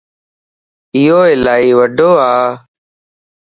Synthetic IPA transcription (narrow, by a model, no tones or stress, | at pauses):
ɪjoːɪlaːɦiːʋəɖʱoːaː